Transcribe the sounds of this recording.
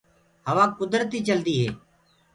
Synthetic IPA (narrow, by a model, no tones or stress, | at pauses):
ɦəʋãːkʊd̪ɾt̪iːt͡ʃəld̪iːɦeː